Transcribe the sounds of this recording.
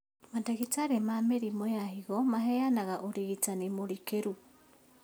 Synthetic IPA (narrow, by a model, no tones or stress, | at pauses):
mantaɣitaɾemameɾimojahiɣɔmaɦɛjanaɣaʔoɾiɣitanimoɾikeɾu